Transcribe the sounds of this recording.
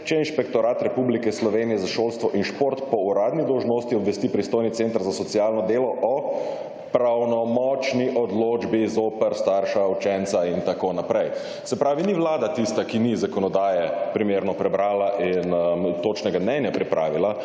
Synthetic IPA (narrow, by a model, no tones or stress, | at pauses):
t͡ʃɛinʃpɛkt̪ɔɾaːt̪ɾɛpublikɛslɔʋenijɛzaʃoːlst̪ʋɔʔinʃpoɾt̪pɔuɾaːd̪nid̪ɔwʒnoːst̪iɔbʋɛst̪ipɾist̪oːjnit̪sent̪əɾzasɔt̪siaːlnɔd̪eːlɔʔɔ | pɾawnɔmɔt͡ʃniʔɔd̪loːd͡ʒbizoːpəɾst̪aɾʃaut͡ʃɛnt̪saint̪akoːnapɾɛj | sɛpɾaːʋiniʋlaːd̪at̪ist̪akinizakɔnɔd̪aːjɛpɾimeːɾnɔpɾɛbɾaːlaʔint̪oːt͡ʃnɛɡamnɛnjapɾipɾa̰ːʋila